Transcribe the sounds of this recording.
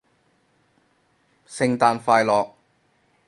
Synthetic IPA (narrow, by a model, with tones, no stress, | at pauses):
sɪ˧ŋt̪aː˨˧nfaː˧jlɔː˨k̚